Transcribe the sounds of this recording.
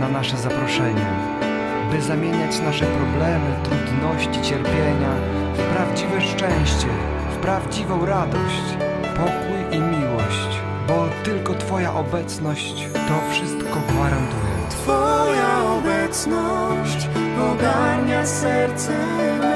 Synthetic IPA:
nanaʂɛzapɾɔʂɛɲɛ | bɘzamʲjeɲat͡ɕnaʂɛpɾɔblɛmɘt̪ɾud̪nɔɕt͡ɕit͡ɕɛɾpʲjeɲa | fpɾavd͡ʑivɛʂt͡ʂɛ̃w̃ɕt͡ɕɛ | fpɾavd͡ʑivɔ̃w̃ɾad̪ɔɕt͡ɕ | pɔkujimʲiwɔɕt͡ɕ | bɔt̪ɘlkɔt̪fɔjaʔɔbɛt̪snɔɕt͡ɕ | t̪ɔfʂɘst̪kɔɡvaɾant̪ujɛ̰t̪fɔjaɔbɛt̪snɔɕt͡ɕɔɡaɾɲasɛɾt̪sɛ

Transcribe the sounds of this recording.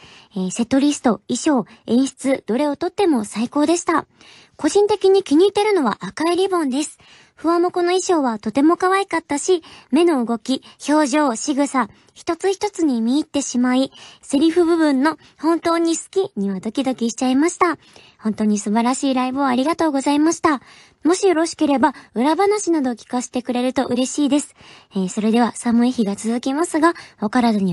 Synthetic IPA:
eːse̞t̪o̞ɾʲisɨ̥t̪o̞iɕo̞ːẽ̞ɰ̃ɕi̥t͡sɨd̪̥o̞ɾe̞o̞t̪o̞t̪ːe̞mo̞saiko̞ːd̪e̞ɕi̥t̪a | ko̞ʑĩnt̪e̞kʲiɲ̟ikʲiɲ̟iːt̪e̞ɾɯ̟no̞βa̰ʔakaiɾʲibõ̞nd̪e̞sɨ̥ | ɸɯ̟βãmo̞ko̞no̞iɕo̞ːβat̪o̞t̪e̞mo̞kaβaikat̪ːaɕime̞no̞ɯ̟ɡo̞kʲiço̞ːʑo̞ːɕiɡɯ̟sa | çi̥t̪o̞t͡sɨçi̥t̪o̞t͡sɨɲ̟imʲiːt̪ːe̞ɕimaisɨɾʲiɸɯ̟bɯ̟bɯ̟̃nːo̞ | hõ̞nt̪o̞ːɲ̟isɨ̥kʲiɲ̟iβad̪o̞kʲid̪o̞kʲiɕi̥t͡ɕaimaɕi̥t̪a | hõ̞nt̪o̞ːɲ̟isɨbaɾaɕiːɾaibɯ̟ːɾʲiɡat̪o̞ːɡo̞zaimaɕi̥t̪a | mo̞ɕijo̞ɾo̞ɕi̥ke̞ɾe̞baɯ̟ɾabanaɕinad̪o̞kʲi̥kase̥t̪e̞kɯ̟ɾe̞ɾɯ̟t̪o̞ʔɯ̟ɾe̞ɕiːd̪e̞sɨ̥eso̞ɾe̞d̪e̞β̞asamɯ̟eçiɡat͡sɨzɨkʲimasɨɡaokaɾad̪oɲ̟i

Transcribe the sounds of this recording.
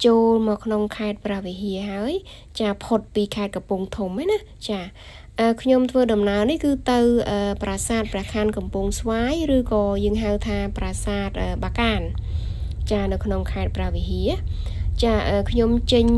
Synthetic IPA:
t͡ɕoːlmɔːkʰnoŋkʰaɛt̪̚prɛ̆əʋiɦiəɦaəj | t͡ɕaːpʰot̪̚piːkʰaɛt̪̚kɑmpuŋt̪ʰumːana | t͡ɕaː | ʔəːkʰɲomt̪ʰʋəːɗɑmnaənihkɨːt̪ɨwʔəːprasaːt̪̚prɛ̆əkʰankɑmpuŋsʋaːjrɨːkɑːjəːŋɦawt̪ʰaːpraːsaːt̪̚ʔəːɓaːkaːn | t͡ɕaːnɨwkʰnoŋkʰaɛt̪̚prɛ̆əʋiɦiət͡ɕaːʔəːkʰɲomt͡ɕəɲ

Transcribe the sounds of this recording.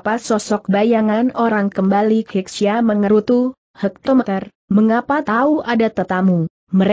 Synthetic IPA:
pasɔsɔk̚bajaŋanoɾaŋkəmbalikɛksiaməŋəɾut̪u | hək̚t̪ɔmət̪ər | məŋapat̪auʔadat̪ət̪amu | məɾ

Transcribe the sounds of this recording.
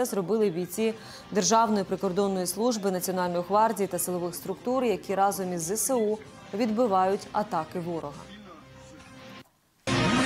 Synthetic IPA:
ɛzrɔbɪlˠɪʋʲit͡sʲi | d̪erʒɑwnɔjipɾɪkɔrd̪ɔnːɔjislˠuʒbɪnɐt͡sʲiɔnɑlʲnɔjiɦʋɑrdʲijt̪ɐsɪlˠɔʋɪxst̪ɾʊkt̪uɾjɐkʲiɾɑzɔmʲizɛseu | ʋʲid̪bɪʋɑjʊtʲɐ̰t̪ɑkɪʋɔɾɔɦɐ̰

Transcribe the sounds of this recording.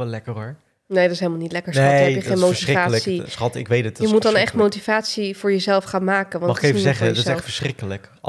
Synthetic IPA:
ɛlɛkərɔɹ | nejdɑtɪsɦelˠmalˠnitlɛkəɹseɛpjəχejnmowtsivaːsisχɑtɪkʋejtətjəmutdɑnɛχtmowtivaːtsiv̥ʊːɹjəzɛlˠfχaːnmaːkənʋɑnmɑχɪkeəzɛχəətɪsɛtfəɹsχrɪkələk

